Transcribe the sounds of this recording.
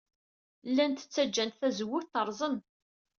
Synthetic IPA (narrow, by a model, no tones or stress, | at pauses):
lːænt̪ə̥t͡sːæd͡ʒːænt̪θæzəwːʊθθəɾˤzˤən